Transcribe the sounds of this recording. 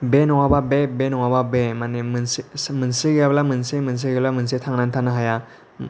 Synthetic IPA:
benɔŋababebenɔŋwababemanemnsmɯnsiɡablamɯnsemɯns̬iɡeblamɯnsetʰaŋnantʰanaɦaja

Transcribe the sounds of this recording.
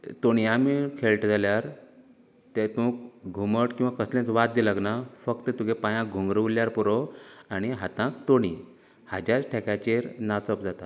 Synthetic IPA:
t̪oɽ̃iamikʰeɭʈd͡zaljaɾ | t̪et̪ũkɡʱuməʈkĩw̃ʋakəslẽt͡sʋat̪̚d̪ilaɡnafəkt̪ət̪ukepãjãɡʱuŋɡɾəʋljaɾpɔɾoañiɦat̪ãkt̪oɽ̃i | had͡ʑat͡sʈʰekat͡ɕeɾnat͡sɔpd͡zat̪a

